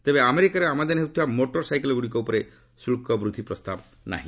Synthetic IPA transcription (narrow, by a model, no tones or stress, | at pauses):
t̪ebeameɾikaɾeamad̪eneɦut̪ʰiamoʈɔɾsajkelɔɡuɽikɔupɔɾe | sulkɔbɾud̪ʱipɾɔst̪ab | na̰ɦḭ̃